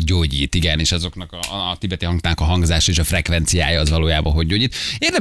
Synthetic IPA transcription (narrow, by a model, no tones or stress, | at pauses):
ɟoːɟiːt̪iɡɛneːʃɒzo̞knɒkɒːt̪ibɛt̪iɦɒŋɡt̪aːnkɒɦɒŋɡzaːʃɒeːʃɒfrɛkvɛnt̪sija̰ːjɒːzvɒloːjaːbɒ̰ɦo̞ɟːoːɟiːt̪eːrnɛ